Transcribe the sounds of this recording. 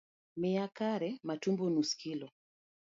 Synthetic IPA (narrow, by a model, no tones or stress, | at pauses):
mɛakaɾɛmatumbɔnuskʰilɔ